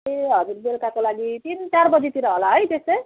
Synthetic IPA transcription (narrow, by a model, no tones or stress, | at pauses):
eɦʌd͡zurbelkakolaɡit̪int͡sarbʌd͡zit̪iɾʌɦolaɦʌjt̪estʌj